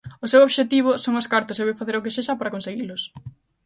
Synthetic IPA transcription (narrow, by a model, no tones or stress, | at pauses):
ʊsewoβʃet̪iβ̞ʊsoŋɐskaɾt̪ʊseβojfaθeɾʊkɪseʃɐpaɾɐkonseɣilʊs